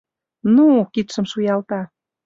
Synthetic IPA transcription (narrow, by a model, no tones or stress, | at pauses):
nukit̪ʃə̆mʃujɑlt̪ɑ